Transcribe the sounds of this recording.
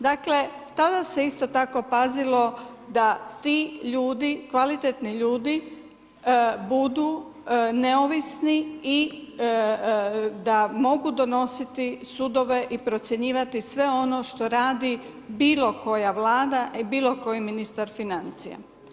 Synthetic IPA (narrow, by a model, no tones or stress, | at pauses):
d̪akle̞t̪ad̪ase̞ist̪o̞t̪ako̞pazilo̞ | d̪at̪iʎuːd̪ikʋalit̪et̪niʎuːd̪i | bud̪u | neoʋisnii | d̪amo̞ɡud̪o̞no̞sit̪isud̪o̞ʋe̞ʔipɾo̞t̪sʲjeɲiːʋat̪isʋe̞o̞no̞ʃt̪o̞ɾaːd̪i | biːlo̞ko̞jaʋlaːd̪aʔibiːlo̞ko̞jiminist̪aɾfinant̪sḭja̰